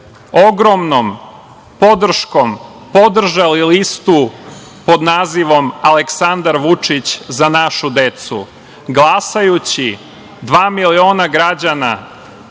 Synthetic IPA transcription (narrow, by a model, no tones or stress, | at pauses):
o̞ɡɾomnom | po̞d̪r̩ʃko̞m | po̞d̪r̩ʒalilist̪u | po̞d̪naːziʋo̞maleksand̪aɾʋut͡ʂit͡ɕzanaʃud̪e̞t̪sṵ | ɡlˠasajut͡ɕi | d̪ʋaːmilio̞ːnaɡɾad͡ʑana